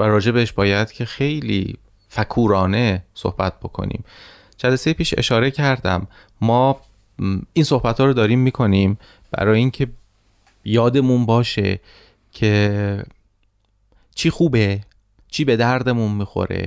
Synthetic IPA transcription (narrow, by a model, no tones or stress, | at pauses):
væɾɒːd͡ʒe̞beeʃbɒːjæd̪̥cʰe̞xe̞jlḭː | fækʰuːɾɒːne̞so̞̰hb̥æt̪̚b̥o̞kʰo̰nḭːm | d͡ʒælæsejepʰiːʃe̞̰ʃɒːɾe̞cʰæɾd̪æ̰mː | ɒː | iːnso̞hbæt̪ʰhɒːɾod̪ɒːɾiːmːiːkʰo̞niːm | b̥æ̰ɾɒːjeiːŋcʰe̞ | jɒːd̪e̞munbɒːʃe̞̰ | cʰe | t͡ʃʰiːxuːbe | t͡ʃʰiːbe̞d̪æɾd̪e̞munmiːxo̞̰ɾḛ